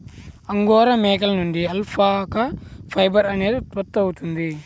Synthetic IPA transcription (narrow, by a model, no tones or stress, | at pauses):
ɐŋɡɔːɾɐmɛːkɐlnuɳɖiɐlpʰaːkɐpʰɐjbɐɾɐneːd̪it̪ʋɐt̪ːɐwut̪und̪i